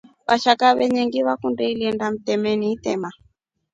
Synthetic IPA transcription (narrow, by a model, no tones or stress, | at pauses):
βaʃakaβɛɲɛŋɡiβakundɛilɛndam̩tɛmɛniːtɛma